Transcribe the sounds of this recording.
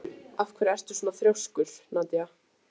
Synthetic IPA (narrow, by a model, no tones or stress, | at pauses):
afkʰvɛɾɪɛst̪ʏ̥sɔːnaθɾjowskʏɾ̥naːt̪ja